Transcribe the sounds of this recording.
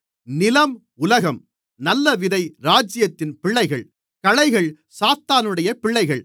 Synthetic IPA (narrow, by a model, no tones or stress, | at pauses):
nɪlɐm | ʊlɐɣɐm | nɐlːɐʋɪðɐɪɾaːd͡ʒɪjɐt̪ːɪnpɪɭːɐɪɣɐɭ | kɐɻɐɪɣɐɭ | saːt̪ːaːnɯɽɐjɐpɪɭːɐɪɣɐɭ